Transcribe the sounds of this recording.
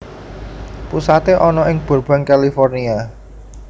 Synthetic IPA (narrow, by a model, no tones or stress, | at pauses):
pusat̪eʔɔnɔɪŋb̥o̤rb̥a̤ŋkalifɔrnia